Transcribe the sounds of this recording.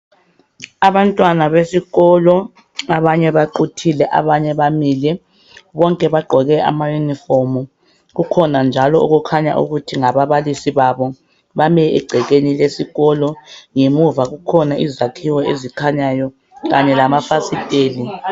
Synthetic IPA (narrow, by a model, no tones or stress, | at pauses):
aβantʼwanaβesiɣɔlɔ | aβaɲɛβaǃutʰilɛʔa̰βaɲɛβamilɛ | βɔŋkʼɛβaɡ͡ǃʱɔɣɛʔa̰majunifomu | ɣukʰɔnand͡ʒʱalɔṵɣukʰaɲa̰ʔṵɣutʰiŋaβaβalisiβaβɔ | βamɛḭɡ͡ǀʱɛɣenilesiɣɔlɔŋemuvaɣukʰɔnaʔizakʰiwɔezikʰaɲajɔ | ɣaɲɛlamafasitʼeːli